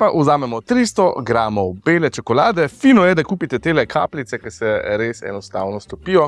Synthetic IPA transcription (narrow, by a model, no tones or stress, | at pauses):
paʔuzaːmɛmɔt̪ɾiːst̪ɔɡɾaːmɔwbeːlɛt͡ʃɔkɔlaːd̪ɛfiːnɔjɛd̪akuːpit̪ɛt̪eːlɛkʰa̰ːplit̪sɛkɛɾsɛɾesɛ̰nɔst̪aːwnɔst̪ɔpijɔ